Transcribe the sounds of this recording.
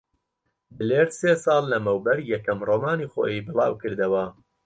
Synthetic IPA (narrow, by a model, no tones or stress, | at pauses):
bɨleːɾseːsɑːlˠːɐmɐwbɐɾjɛkɐmroːmaːnixo̰ːjibɨlˠɑ̰ːwkɨɾd̪ɐwɐ